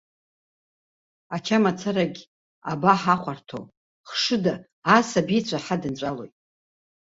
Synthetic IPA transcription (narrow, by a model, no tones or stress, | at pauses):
at͡ʃʰamat͡sʰaɾaɡʲ | a̰baħaχʷʰartʰo̰ | χʂɨdaː | sabit͡ɕʷʰʼaħadɨnt͡ʃʷʼalo̞̰jtʼ